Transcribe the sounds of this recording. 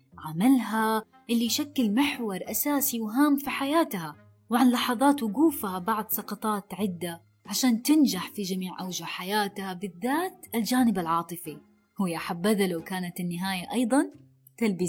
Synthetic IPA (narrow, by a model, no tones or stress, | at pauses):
ʕamalɦa | ʔɪlːiʃakːɪlmɪħwɑɾˤʔasaːsiwɦaːmfiħajaːt̪ha | wʕanlɑħɑðˤɑːt̪wɪɡuːfhabɑʕðˤsɑqɑt̪ˤɑːt̪ʕɪd̪ːa | ʕaʃaːnt̪ɪnd͡ʒaħfid͡ʒamiːʕʔawd͡ʒaħajaːt̪habɪðːaːt̪ʔald͡ʒaːnɪbalʕɑːt̪ˤɨfi | hʊːjːaħabːaðalawkaːnat̪ɪnːɪɦaːjaʔɑjd̪ˤɑn | t̪albiː